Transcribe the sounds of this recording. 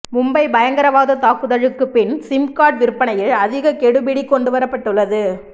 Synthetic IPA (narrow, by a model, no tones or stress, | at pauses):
mʊmbɐɪbɐjɐŋɡɐɾɐʋaːðɐt̪aːkɯðɐɻɯkːɯpɪnsɪmkaːʈ̚ʋɪɾɯpːɐnɐjɪɭɐðɪɣɐkɛɽɯbɪɽikːɔɳɖɯʋɐɾɐpːɐʈːɯɭːɐðɯ